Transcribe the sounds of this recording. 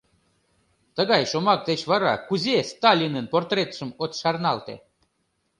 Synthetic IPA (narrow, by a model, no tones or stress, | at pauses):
t̪əɣɑjʃomɑk̚t̪et͡ɕβɑɾɑ̰kuzʲest̪ɑlʲinənport̪ret̪ʃə̆mot̪ʃɑrnɑlˠt̪ḛ